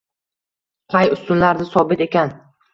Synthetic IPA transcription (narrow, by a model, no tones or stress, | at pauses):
qʰɑjʊst̪ʊnlaɾd̪ɪsɒbɪt̪e̞kʲan